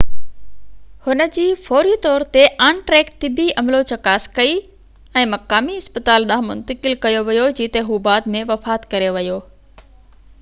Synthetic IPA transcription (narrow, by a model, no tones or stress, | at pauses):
hʊnə̆d͡ʑiːfɔːɾit̪ɔːɾt̪eʔaːnʈɾɛːkt̪ɪbiɐmlot͡ɕɐkaːskɐi | ɛ̃ːmɐkaːmiɪspət̪aːlɗãːɦmʊ̰̃nt̪əkɪlkɐjoʋɐjod͡ʑiːt̪eɦuːbaːd̪mẽʋɐfaːt̪kɐɾeʋɐjoː